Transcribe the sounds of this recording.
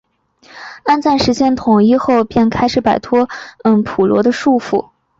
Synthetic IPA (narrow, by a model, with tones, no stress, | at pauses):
a˥nt͡sa˥˩nʂɻ̩˧˥t͡ɕjɛ˥˩nt̪ʰʊ˨˩ŋi˥˧xo˥˧ʊpjɛ˥˩nkʰa˥ɪʂɻ̩˧˥pa˨˩ɪt̪ʰwɔ˥ə˥ŋpʰu˨˩lwɔ̰˧˥d̪ə˧ʂu˥˧fṵ˥˩